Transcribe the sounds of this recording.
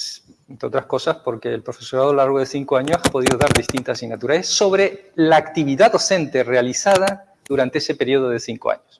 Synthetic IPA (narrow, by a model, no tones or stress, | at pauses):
nt̪ot̪ɾasko̞saspo̞ɾke̞ːlpɾofe̞so̞ɾaðolaɾɣ̞oðe̞θiŋkoaɲosapo̞ð̞iðoðaɾðist̪int̪asinat̪uɾaesso̞βɾe̞laːkt̪iβiðaðo̞θe̞nt̪e̞realiθað̞a | ðuɾant̪eese̞pe̞ɾio̞ð̞oðe̞θiŋkoa̰ɲos